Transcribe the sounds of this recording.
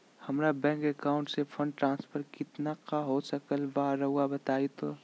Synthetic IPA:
hɐmɾabɛ̃ːŋkekaːʊ̃ɳʈsefʰɐ̃ɳɖ̚ʈɾãːnspʰəɾkɪt̪naqaɦosɐkəlʋaɦɾɐɦuabɐt̪aːit̪o

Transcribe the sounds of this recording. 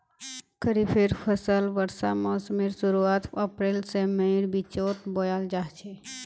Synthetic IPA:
kʰəɾipʰeɾpʰəsəlʋəɾsa̰mɔːsmiɾsʊɾuaːt̪ɐpɾeːlsemeiɾbit͡ʃoːt̪boːjaːld͡ʒaːɦt͡ʃʰe

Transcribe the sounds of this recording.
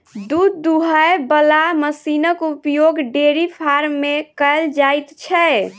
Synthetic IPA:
d̪ud̪ːuɦəjbəlaməsinəkupjoɡɖeɾipʰaɾːekəld͡ʒajt̪t͡ʃʰɛ

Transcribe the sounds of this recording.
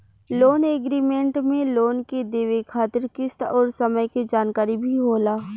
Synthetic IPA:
loːneːɡɾiːmẽɳʈmẽloːnked̪eːʋekʰaːt̪ɪɾkɪst̪ɔːɾsɐməjkid͡ʒaːnkaːɾibʱiɦoːlaː

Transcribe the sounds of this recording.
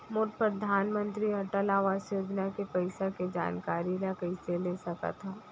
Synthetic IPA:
moːʈ̚pɾəd̪ʱaːnmə̃nt̪ɾiɐʈəlaːʋaːsjoːd͡ʒnakepɐɪsaked͡ʒa̰ːnkaːɾiɾakɐɪseleːsɐka̰t̪ʰaː

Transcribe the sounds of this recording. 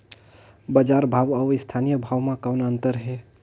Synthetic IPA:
bəd͡ʒaɾbʱawawɪst̪ʰanijəbʱawmãkawnaənt̪əɾɦɛ

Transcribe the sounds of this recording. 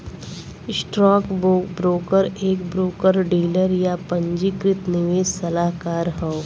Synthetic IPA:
sʈɾɔːkbɾoːkəɾeːkbɾoːkəɾɖiːləɾjapə̃ɲd͡ʒikɾɪt̪nɪʋesɐlaːɦkaːɾɦɔo

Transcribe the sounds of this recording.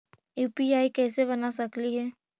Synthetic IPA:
juːpiaːikɛːseβɐnasɐkliɦɛː

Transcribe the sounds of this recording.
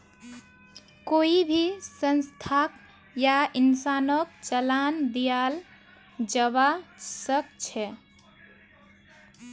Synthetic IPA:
koibʱisənst̪ʰak | jainsanəkt͡ʃəland̪ijal | d͡ʒəβasəkt͡ʃʰɛ

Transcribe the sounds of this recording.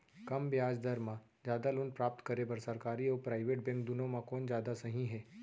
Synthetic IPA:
kɐmbjaːd͡ʒd̪ɐɾmã | d͡ʒaːd̪alʊnpɾaːp̚t̪kɐɾebɐɾsɐɾkaːɾiɔːɾpɾaːɪʋeːʈ̚bɛ̃ŋk̚d̪ʊnõmãkɔːnd͡ʒjaːd̪asɐɦĩɦɛː

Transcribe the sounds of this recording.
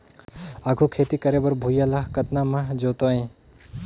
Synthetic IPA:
aːɡʱukʰeːt̪ikəɾebəɾbʱujalaɦkɐt̪namãɦd͡ʒoːt̪oẽ

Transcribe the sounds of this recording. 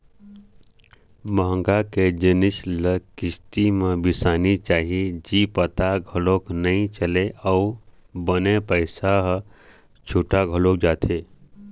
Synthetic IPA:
bəɦə̃ŋɡaked͡ʒənɪsləkɪst̪imẽbɪsaːnit͡ʃaːɦied͡ʒipət̪aɡʱəloːknəĩt͡ʃəleɔʊ | bənepəɪsaɦ | t͡ʃʰoːʈaɡʱəlok̚d͡ʒaːt̪ʰe

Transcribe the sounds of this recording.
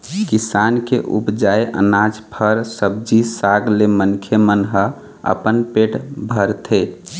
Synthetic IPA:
kisankḛʔṵpd͡ʒaeʔə̰nad͡ʒpʰəɾsəb̚d͡ʒisaɡlemənkʰemənɦə | ə̰pənpeʈʰbʱəɾt̪ʰe

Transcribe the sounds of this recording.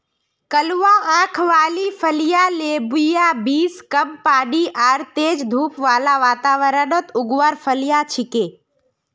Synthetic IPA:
kəlʋãːãːkʰʋaːlipʰəlijaːleːbʊjaːbiːskəmpaːɖiːʔaːɾt̪eːd͡ʒd̪ʱuːpʋaːlaːʋaːt̪aːʋəɾənot̪ʊɡʋaɾpʰəlijaːt͡ʃʰɪkeː

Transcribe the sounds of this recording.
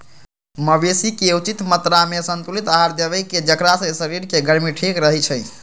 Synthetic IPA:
məbesikeut͡ʃit̪mət̪ɾamesənt̪ulit̪aɦaɾd̪ebəjked͡ʒəkɾasə̃səɾiɾkeɡəɾmiʈʰekɾəɦɛt͡ʃʰə

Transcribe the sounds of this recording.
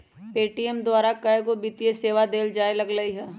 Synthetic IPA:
peːʈijemd̪waːɾakɐeɡobit̪ijeseːʋad̪eːld͡ʒaːelɐɡləiɦɛː

